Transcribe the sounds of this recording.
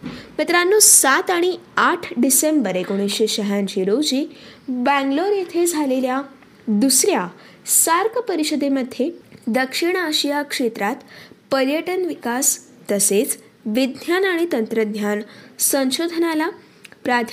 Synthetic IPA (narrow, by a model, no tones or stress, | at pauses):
mət̪ɾanːusat̪aɽ̃iaʈʰɖisembəɾekoɽ̃iɕeɕəɦãɲt͡ɕiɾowd͡ʑiːbɛ̃ŋɡloɾet̪ʰed͡zʱalelja | d̪usɾja | saɾkpəɾiɕəd̪eməd̪ʱjed̪əkʂiɳ̃aɕijakʂet̪ɾat̪pəɾjəʈənʋikas | t̪əset͡s | ʋid̪janaɽ̃it̪ənt̪ɾəd̪jansə̃nɕod̪ʱənala | pɾat̪ʰ